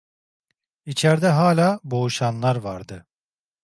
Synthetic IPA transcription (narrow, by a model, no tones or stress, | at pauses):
it͡ʃʰæɾd̪ɛɦaːlʲaːbo̞uʃanlˠaɾvaɾd̪ɯ